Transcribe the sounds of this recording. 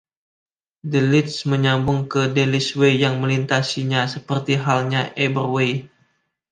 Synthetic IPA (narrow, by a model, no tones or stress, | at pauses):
dəlɪt̪sməɲambʊŋkədeliswejaŋməlint̪asiɲasəpərt̪iɦalɲaʔebərwej